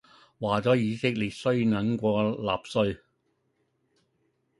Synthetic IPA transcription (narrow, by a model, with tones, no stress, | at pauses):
waː˨t͡sɔː˨˥jiː˨˧sɪ˥k̚liː˨˩t̚sɵ˥ɥnɐ˨˥ŋkʷɔː˧la̰ː˨p̚sɵ˧ɥ